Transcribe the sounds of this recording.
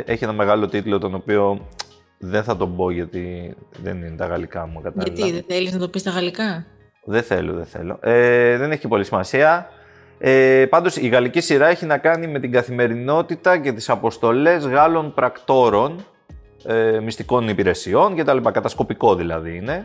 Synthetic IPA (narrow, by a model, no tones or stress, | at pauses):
ʔe̞çie̞nɐme̞ɣɐlo̞t̪it̪lo̞t̪o̞no̞pio̞ | ðe̞nθɐt̪o̞bo̞ʝɐt̪iðḛnine̞t̪ɐɣɐ̰likɐmukɐt̪ɐɐt̪iðeeliznɐt̪o̞pist̪ɐɣɐlikɐ | ðeθe̞̰lo̰ðeθe̞̰lo̞̰ʔeðe̞neçipo̞lisimɐsiɐ | epɐnd̪o̞siɣɐlicisiɾɐe̞çinɐkɐnime̞t̪iŋɡɐθime̞ɾino̞t̪it̪ɐce̞t̪i̥sɐpo̞st̪o̞le̞zɣɐlo̞npɾɐkt̪o̞ɾo̞n | emist̪iko̞nipiɾe̞sio̞nce̞t̪ɐlipɐkɐt̪ɐsko̞piko̞ðilɐ̰ðiine̞